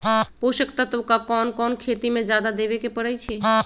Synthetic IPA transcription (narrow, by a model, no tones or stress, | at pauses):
puʃəkt̪ət̪ʋəkakɔːnkɔnkʰet̪imẽd͡ʒad̪ad̪eʋekepəɽəjt͡ʃʰe